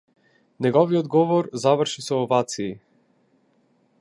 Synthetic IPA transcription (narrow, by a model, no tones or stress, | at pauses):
nɛɡɔviɔd̪ɡɔvɔɾzavəɾʃisɛːvat̪siː